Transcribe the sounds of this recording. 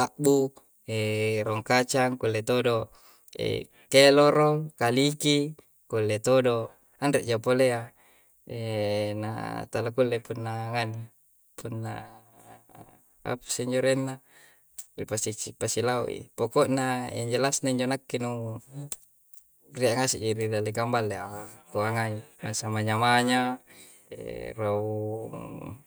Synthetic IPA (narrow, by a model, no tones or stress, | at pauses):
laʔ̚bu | eɾoŋkat͡ʃaŋkulːet̪odo | ḛ | keloɾolkaliki | kulːet̪odo | andreʔd͡ʒapolea | ena̰t̪alakulːepunːaŋani | punːa̰ | a̰pḁsiiɲd͡ʒoɾenːa | ripasit͡ʃipasilaṵʔḭpokoʔnaḛɲd͡ʒelasnaiɲd͡ʒonakːinu | riaʔŋasiʔd͡ʒiɾidalekambalːeakoaŋaimasamaɲamaɲa | ḛrauu